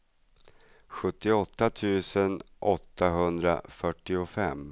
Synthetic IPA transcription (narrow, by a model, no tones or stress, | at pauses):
ɧɵt̪ːɪɔt̪ːat̪ʰʉ̟ːsənʔɔt̪ːaɦɵnd̪ɾa̰fœʈːɪʊfɛmː